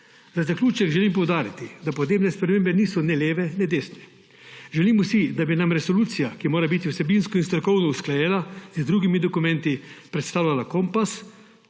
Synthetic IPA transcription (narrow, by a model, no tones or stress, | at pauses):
zazaklʲuːt͡ʃɛɡʒɛlimpɔwd̪aːɾit̪id̪apɔd̪neːbnɛspɾɛmeːmbɛniːsɔnɛleːʋɛnɛd̪eːsnɛ | ʒɛliːmusid̪abinamɾɛsɔluːt̪sijakimoːɾabit̪iwsɛbinskɔinst̪ɾɔkɔwnɔusklajɛːlazd̪ɾuːɡimid̪ɔkumɛnt̪ipɾɛt̪st̪aːwlʲalakɔmpas